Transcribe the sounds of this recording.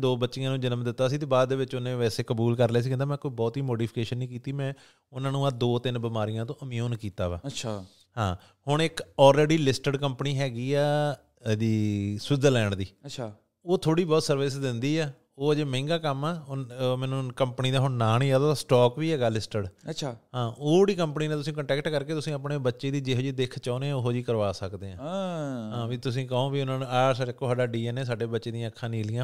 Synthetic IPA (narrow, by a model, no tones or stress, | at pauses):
d̪oːbətːʃɪãːnũːd͡ʒɪnəmd̪ɪt̪ːaːsiːt̪eːbaːd̪d̪eːʋɪt͡ʃʊnẽːʋɛːseːkəbuːlkəɾlɛːs̬iːkɛ̃nd̪aːmɛ̃ːkoːiːbɔːt̪iːmoːɖiːpʰɪ̥keːʃənːĩːkiːt̪iːmɛ̃ː | ʊnãːnũːad̪oːt̪ɪnbɪmaːɾijãːt̪õːʔəmijoːnkiːt̪aːʋa̰ːt͡ʃʰː | hãː | hʊɳ̃ɪkɔːlɾeːɖiːlɪsʈəɖkəmpniːɦɛːɡiːɛː | d̪iːsɪd̪əlɛːɳd̪iːt͡ʃː | oːt̪ʰoːɽiːbɔːt̪səɾʋɪsd̪ɪnd̪iːɛː | oːd͡ʒeːmɛ̃ːŋɡaːkəmɛːomɛ̃ːnũːkəmpniːd̪aːɦʊnaːniːaːd̪aːt̪asʈɔːkʋiːɦɛːɡaːlɪsʈəɖt͡ʃʰaːɦãːʔoːɽiːkəmpəniːneːt̪ʊsĩːkəɳʈɛːkʈkəɾkeːt̪ʊsĩːəpneːbətːʃeːd̪iːd͡ʒeɦoːd͡ʒiːd̪ekʰt͡ʃaːneːoɦoːd͡ʒiːkəɾʋaːsəkd̪eːãːɦãːʋiːt̪ʊs̬ĩːkəɦõːʋiːʊnãːnũːaːɾsaekːoːsaːɖaːɖiːɛːneːs̬aːɖeːbətːʃeːd̪ĩãəkʰːãːnĩːlɪjãː